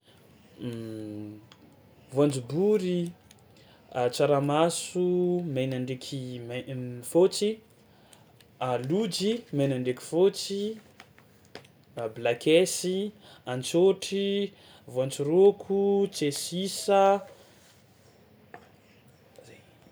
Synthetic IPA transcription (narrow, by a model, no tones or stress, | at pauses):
vant͡subuɾi | t͡saɾamasumajnaɳɖ͡ʐekʰimfot͡si | alud͡ʒimajnaɳɖ͡ʐekʲi̥fot͡si | blakesi | ant͡soʈ͡ʂi | voãnt͡surokʰut͡sesisə | zaj